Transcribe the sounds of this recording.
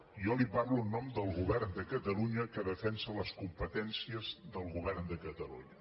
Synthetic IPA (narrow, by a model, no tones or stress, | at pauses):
ɔliparluənːɔmd̪əlˠɣuβɛrnd̪əkət̪əluɲəkəðəfɛnsələskumpət̪ɛnsiəzðəlˠɣuβ̞ɛrnd̪əkət̪əlṵɲə